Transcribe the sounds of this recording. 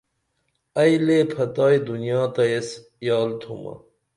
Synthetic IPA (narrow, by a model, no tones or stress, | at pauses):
ɐjlepʰɐt̪aːjd̪unjɑːt̪ɐjes | jɑːlt̪ʰumɐ̰